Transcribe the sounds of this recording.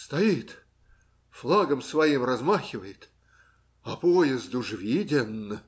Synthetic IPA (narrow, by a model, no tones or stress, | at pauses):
st̪ɐit̪ | flˠaɡəmsvɐimrɐzmaxʲɪvəjɪt̪ | ɐpojɪzd̪ʊʐvʲidʲɪnːə